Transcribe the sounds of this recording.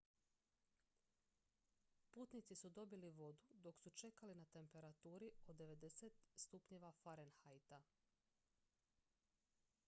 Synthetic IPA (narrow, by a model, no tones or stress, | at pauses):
puːt̪nit̪sisud̪o̞biliʋo̞d̪ud̪o̞ksut͡ʃe̞kalinat̪e̞mpe̞ɾat̪uːɾiod̪e̞ʋe̞d̪e̞set̪st̪upɲe̞ʋafaɾenxajt̪a